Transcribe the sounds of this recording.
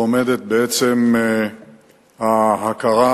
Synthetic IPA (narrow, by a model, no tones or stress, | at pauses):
ome̞d̪et̪̚beet͡sem | haɦakaʁa